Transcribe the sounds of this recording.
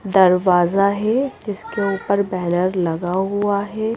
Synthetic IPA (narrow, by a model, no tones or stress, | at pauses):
d̪ɐɾʋaːzaɦɛd͡ʒɪskeuːpəɾbɛɦnəɾlɐɡaɦuaɦɛː